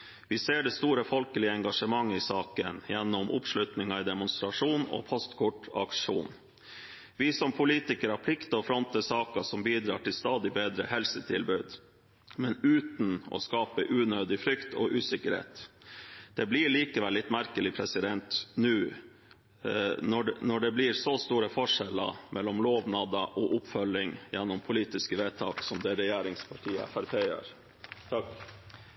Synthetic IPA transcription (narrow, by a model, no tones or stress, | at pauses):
ʋɪseːɖɛst̪uːɾəfɔlkəlɪəɛŋɡɑʂəmɑŋːɪsɑːkənjɛnːɔmʔʊ̰pʂlʉt̪nɪŋɑɪd̪ɛmʊnst̪ɾɑʂuːnɔ̰pʰɔst̪kʰʊʈɑ̰kʂṵːn | ʋɪsɔmpʰʊliːt̪ɪkəɾɑpʰlɪkt̪ɔfɾɔnt̪əsɑːkɑsɔmbiːd̪ɾɑ̰ːʈɪlst̪ɑːd̪ɪbeːd̪ɾə̰hɛlsət̪ʰɪlbʉːd̪ | mɛnʉːt̪n̩ɔ̰skɑːpəʔʉːnøːd̪ɪfɾʏkt̪ʰɔ̰ʔʉːsɪkəɾhḛːt̪ | d̪̥ɛblɪɭiːkəʋɛlːɪt̪ːmæɾkəlɪpʰɾɛsɪd̪ɛnt̪nʉː | nɔnɔɖɛblɪɾsɔst̪uːɾəfɔʂɛlə̰mʔɛlːɔmloːʋnɑd̪ɑʔɔʔʊpfœlːɪŋjɛnːɔmpʰʊliːt̪ɪskəʋeːt̪ʰɑ̰ːksɔmd̪ɛɾɛjæːɾɪŋspʰɑʈʰiːəɛ̰fæɾpʰeːə̰ːɾ | t̪ʰɑk